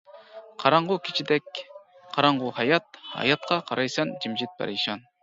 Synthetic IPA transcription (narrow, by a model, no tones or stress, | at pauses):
qʰɑɾɑɴʁʊkʲʰi̥t͡ʃʰid̪ɛk̚ʲ | qʰɑɾɑɴʁʊhɑjɑt̪̚hɑ̰jɑt̪̚qʰɑqʰɑɾʔɑjsɑnd͡ʒimd͡ʒit̪̚bɛ̰ɾʃɑn